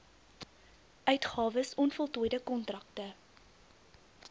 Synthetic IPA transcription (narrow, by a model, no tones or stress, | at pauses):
ʔœɥtχɑːvəsɔnfɔlˠtujdəkɔntrɐk̚tə